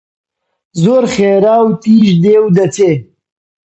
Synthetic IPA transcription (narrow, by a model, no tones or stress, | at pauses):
zoɾχeɾaːwt̪iːʃd̪ewd̪ɐt͡se